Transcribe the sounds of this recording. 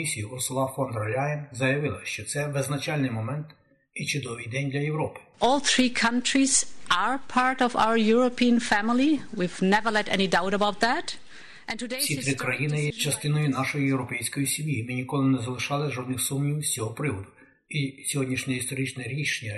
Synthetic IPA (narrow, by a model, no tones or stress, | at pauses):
isʲijuʔʊsʊlˠɑfɔnd̪ɾɐlʲajɪmzɐjɐʋɪlˠɐ̰ʃt͡ʃɔt̪sɛʋɪznɐt͡ʃɑlʲnɪjmɔmɛnt̪ | it͡ʃʊd̪ɔʋɨjd̪ɛnʲd̪lʲɐjewɾɔpɪ̥ʔɔlˠθɹikʰʌ̃ntɹizaɹpʰɑɹtɔva̰ʊə˞jʊɹopʰiə̃nfæmɪl̩ˠiwivnɛvə˞lɛɾɛñidaʊɾəbaʊt̪̚ðæt | ʔɛ̃ntʊdessʲit̪ɾɪkɾɐjinɪt͡ʃɐst̪ɪnɔjʊnɑʃɔjijewɾɔpɛjsʲkɔjisʲimʲjimɪnʲikɔlˠɪnɛzɐlˠɪʃɑlˠɪʒɔd̪nɪxsumnʲiwsʲt͡sʲɔɦɔpɾɪʋɔd̪ʊ | isʲɔɦɔdʲnʲiʃnʲɔist̪ɔɾʲit͡ʃnɛɾʲiʃenʲːɐ